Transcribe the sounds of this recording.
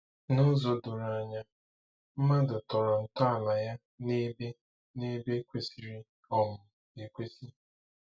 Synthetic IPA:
nʊ˦zo˨dʊ˨ɾa˨ɲa˨ | m̩˦ma˦dʊ˨tɔ˨ɾɔ˨n̩˨tɔ˦a˨la˨ja˦ | ne˦be˦ | ne˦be˦kʷe˦si˨ɾi˦ | ɔ˦˨mʊ˨ | e˨kʷe˦si˦

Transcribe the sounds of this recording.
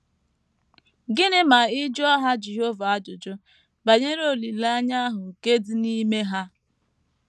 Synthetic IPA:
ɡɪ˦nɪ˦ma˨ɪ˦d͡ʒɔ˦a˦ɦa˦d͡ʒi˨ɦo˦va˦d͡ʒʊ˨d͡ʒʊ˦ | ba˨ɲe˦ɾo˦˨li˨la˦ɲa˦a˦ɦʊ˨ke˦dɪ˨ni˦me˦ɦa˦

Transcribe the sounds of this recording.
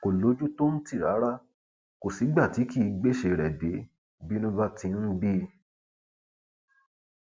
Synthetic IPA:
ko˨lo˨˦d͡ʒu˦to˦n̩˦ti˦˨ɾa˨˦ɾa˦ | ko˨si˨˦ɡ͡ba˦˨ti˨˦ki˦˨˦ɡ͡be˦˨ʃe˧ɾɛ˨de˨˦ | bi˦nũ˦ba˦tĩ˧˦ñ̩˦bi˦

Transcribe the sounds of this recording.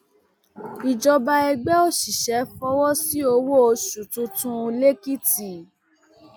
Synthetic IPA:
i˨d͡ʒɔ˧ba˧ɛ˧ɡ͡bɛ˦o˦ʃi˨ʃɛ˨˦fɔ˦wɔ˦si˦o˧wo˦o˧ʃu˨tũ˧tũ˧le˦ki˦ti˨

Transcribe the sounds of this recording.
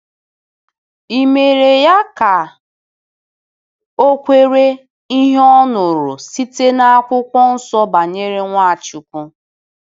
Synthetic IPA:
i˨me˨ɾe˨ja˦ka˨ | o˦kʷe˦ɾe˦ | i˦ɦɔ˦nʊ˨ɾo˨si˦te˦na˦a˦kʷʊ˦kʷɔ˦n̩˦sɔ˦ba˨ɲe˦ɾe˦ŋʷa˦a˨t͡ʃʊ˨kʷʊ˦

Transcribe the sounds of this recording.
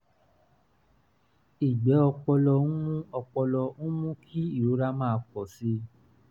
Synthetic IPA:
i˨ɡ͡bɛ˨˦ɔ˧k͡pɔ˧lɔ˧ũ˦mũ˦ɔ˧k͡pɔ˧lɔ˧ũ˦mũ˦kʰi˦i˦˨ɾo˨˦ɾa˧˦mãː˦˧k͡pɔ˨si˧

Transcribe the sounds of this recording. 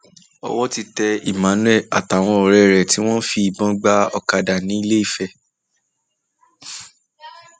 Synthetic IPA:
ɔ̰˧wɔ˦ti˧tɛ˧i˨mã˨˦nũ˦ɛ˦˨a˨ta˨w̃ɔ̃˧o˨ɾɛ˨ɾɛ˨ti˦w̃ɔ̃˦fi˧i˨bɔ̃˦ɡ͡ba˦ɔ˧ka˧da˨nĩ˨˦i˦˧le˦i˦˨fɛ˧˨

